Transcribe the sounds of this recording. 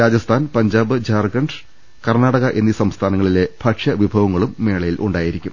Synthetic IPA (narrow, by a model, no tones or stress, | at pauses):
ɾaːd͡ʑɐst̪ʰaːnpɐɲd͡ʑaːbɨd͡ʑaːrɡɐɳɖ | kɐrnaːɽɐɣɐʔenːjiɐsɐmst̪ʰaːnɐŋːɐɭile̞b̥ʱɐʈʂɐʋibʱɐʋɐŋːɐɭumːe̞ːɭɐjilʔuɳɖaːjiɾikʲːum